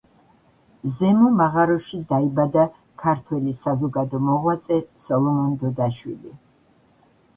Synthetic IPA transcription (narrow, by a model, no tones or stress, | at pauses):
zɛmɔmaʁaɾɔʃid̪aibad̪a | kʰaɾt̪ʰwɛlisazɔɡad̪ɔmɔʁwat̪sʼɛsɔlˠɔmɔnd̪ɔd̪aʃwḭli